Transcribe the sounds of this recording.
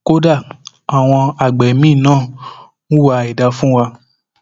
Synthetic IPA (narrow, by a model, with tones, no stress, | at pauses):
ko˦da˦˨ | a˨w̃ɔ̃˧a˨ɡ͡bɛ˨˦mĩ˦˨nãː˦˨ | nũ˦wa˧i˨da˨˧fũ˦wa˧